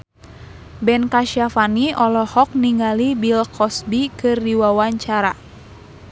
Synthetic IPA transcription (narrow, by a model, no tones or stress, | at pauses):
bɛnkaʃiafaniʔɔlɔhɔk̚niŋɡalibilkɔsbikɨrdiwawaɲt͡ʃaɾa